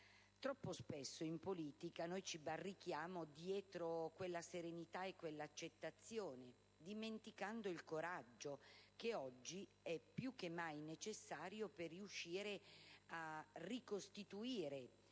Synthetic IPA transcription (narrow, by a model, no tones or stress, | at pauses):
t̪ɾɔpːospesːoimpoliːt̪ikanojt͡ʃibarːik̟ːjaːmod̪jɛːt̪ɾokwelːaseɾenit̪aekːwelːaːt͡ʃːet̪ːat̪sːjoːne | d̪iment̪ikand̪oilkoɾad͡ʒːokeɔd͡ʒːi | ɛpːjuk̟ːemːajnet͡ʃesːaːɾjoperːiuʃːiːɾearikost̪it̪uiːɾe